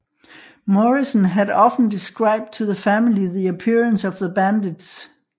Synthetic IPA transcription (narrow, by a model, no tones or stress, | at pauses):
mɔɹisənɦæɾɒfn̩disɡ̥ɹɑ̈ɪb̥̚d̚tʰoðəfæmiliðiəpʰɪɹə̃nsɒvðəbæ̃ndɪd̥s